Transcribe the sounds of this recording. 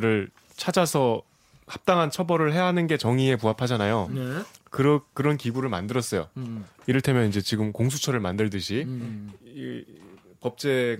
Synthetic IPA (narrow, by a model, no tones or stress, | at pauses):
ɾɯɭ | t͡ɕʰad͡ʑasʰʌ | kap̚t͈aŋɦant͡ɕʰʌbʌɾɯɭɦe̞aɦanɯnɡe̞t͡ɕʌŋie̞puɦapʰad͡ʑanajonkɯɾʌk̚k͈ːɯɾʌnkiɡuɾɯɭma̰ndɯɾʌs͈ʌjo̰iɾɯɭtʰe̞mjʌnind͡ʑe̞t͡ɕiɡɯmkoŋsʰu̥t͡ɕʰʌɾɯɭmandɯɭdɯɕʰi | i | pʌp̚t͡ɕ͈e̞